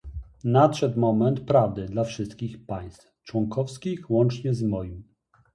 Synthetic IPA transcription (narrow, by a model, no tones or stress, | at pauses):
nat̪ʂɛt̪mɔmɛnt̪pɾavd̪ɘd̪lafʂɘst̪kʲixpaj̃st̪ft͡ʂwɔŋkʰɔfskʲixwɔnt͡ʂɲɛzmɔjim